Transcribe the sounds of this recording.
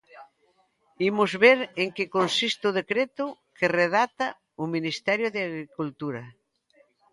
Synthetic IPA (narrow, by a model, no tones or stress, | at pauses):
imʊzβeɾeŋkekonsist̪ʊð̞ekɾet̪ʊkʰereðat̪a | ʊminist̪ɛɾjʊðeaɣɾikult̪uɾɐ